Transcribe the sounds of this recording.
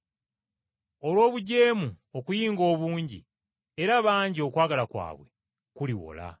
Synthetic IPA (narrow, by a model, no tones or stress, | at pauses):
o̞lwo̞ːβuɟe̞ːmu | okujiːŋɡo̞ːβuːɲɟḭ | eɾaβaːɲɟio̞kwaːɡalakwa̰ːβwe̞̰ | kuliwo̰la̰